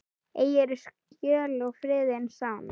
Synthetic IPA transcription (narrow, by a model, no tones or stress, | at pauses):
eːjɛɾɪs | cœːlɔɣfɾɪːðɪnsawn